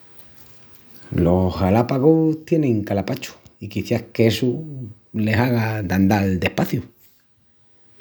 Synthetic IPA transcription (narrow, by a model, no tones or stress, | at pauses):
lo̞salapaɣot̪je̞nẽ̞ŋkalapat͡ʃu̥ikiθjahkeesu | le̞saɣad̪and̪ald̪e̞hpaθju